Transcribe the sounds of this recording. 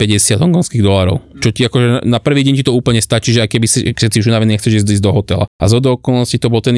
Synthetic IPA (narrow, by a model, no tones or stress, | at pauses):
pɛɟɛsɪad̪ɦɔŋɡɔnskiːɣd̪ɔlaːɾɔ̰ʊt͡ʃɔciakɔʒɛanapr̩ʋiːɟɛɲcit̪ɔuːpl̩ɲɛst̪at͡ʃiʒɛajkɛbisiksɛt͡siuʒunaʋɛniːɲɛxtt͡sɛʒiːzd̪iːzd̪ɔɦɔt̪ɛla̰a̰zɔd̪ɔɔkɔlnɔscit̪ɔbɔlt̪ɛn